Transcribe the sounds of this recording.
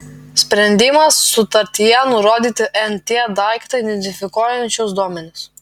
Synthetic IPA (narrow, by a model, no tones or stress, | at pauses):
sʲpʲɾʲɛnʲd̪ʲɪmɐsːʊt̪ɐɾʲt̪ʲɪjɛnʊɾoːd̪ʲiːt̪ʲɪʔɛnt̪ʲed̪ɑˑɪkt̪ɐid̪ʲɛnʲt̪ʲɪfʲɪkoːjɛnʲt͡ʃʲʊsd̪uɔmʲɛnʲɪs